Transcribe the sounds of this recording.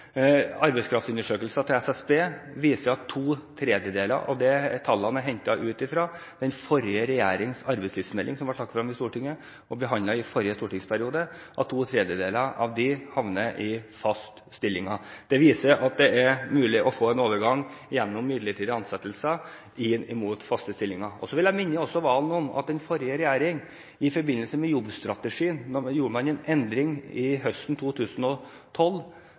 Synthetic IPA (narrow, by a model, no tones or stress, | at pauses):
ɑɾbɛɪskʰɾɑft̪sʉnːəʂøːkəlsɑt̪ʰɪlɛsɛsbeːʋiːsəɾɑt̪ʰːuːt̪ʰɾeːd̪jəd̪eːlə̰ɾʔɔ̰d̪ɛt̪ʰɑlːɑnəɦɛɲt̪ɑʔʉːt̪ɪfɾɑːd̪̥ɛnfɔɾɪəɾɛjæːɾɪŋsɑɾbɛɪtsliːfsmɛlːʔɪŋsɔmʋɑʈʰɑkːfɾɑmːɪst̪uːʈɪŋːə | ɔbəɦɑnd̪ɑɪfɔɾjəst̪uːʈɪŋspʰæɾɪuːd̪əʔɑt̪ʰːuːt̪ʰɾeːd̪jəd̪eːləɾɑ̰ʋd̪ɪhɑʋnəʔɪfɑst̪ | st̪ɪlːɪŋɑd̪̥ɛʋiːsəʔɑt̪̚d̪ɛæɾmʉːlɪʔɔfoːɛnoːʋəɾɡɑŋːjɛnːɔmːɪd̪ləʈʰiːd̪əɑnsɛt̪ːəlsə | ɪɪmuːt̪fɑst̪əst̪ɪlːɪŋɑɔsɔʋɪljæɪmɪnːəɔsːɔʋɑːlnɔmɑ̰t̪̚d̪ɛnfɔɾjəɾɛjæːɾɪŋ | ɪfɔɾbɪnːəlsəmɛjɔbːst̪ɾɑt̪əʂiːənːɔjuːɾəmɑnɛnɛnd̪ɾɪŋɪɦœst̪n̩t̪ʰuːt̪ʰʉːsən̩ɔ | t̪ʰɔlː